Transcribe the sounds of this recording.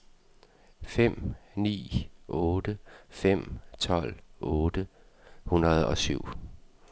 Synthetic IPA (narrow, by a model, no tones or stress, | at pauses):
fem̰nḭːʔɔ̽ːd̥əfem̰t͡sʰɒ̽l̰ʔɔːd̥ə | hunɐð̞ˠɒ̽syʊ̰